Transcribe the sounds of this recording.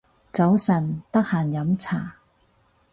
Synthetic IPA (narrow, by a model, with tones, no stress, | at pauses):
t͡sɐ˨˥wsɐ˨˩nt̪ɐ˥k̚haː˨˩njɐ˨˥mt͡sʰaː˨˩